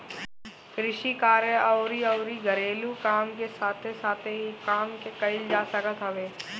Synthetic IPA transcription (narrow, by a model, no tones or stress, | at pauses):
kɾɪʃikaːɾjəɔːɾiɐʊɾiɡʱəɾeːlukaːmkesaːt̪ʰesaːt̪ʰeɦikaːmkekɐɪld͡ʒaːsəkət̪ɦəʋeː